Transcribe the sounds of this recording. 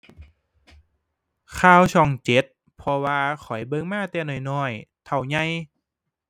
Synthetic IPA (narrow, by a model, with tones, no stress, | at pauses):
kʰaː˧˩wt͡ɕʰɔ˧˩ŋt͡ɕe˨˦t̪̚ | pʰɔ˧waː˧kʰɔ˨˩˦jbɤ˧ŋmaː˥˩k̚t̪ɛː˧nɔː˨˩jnɔː˧˩jt̪ʰa˨˩wɲa˧j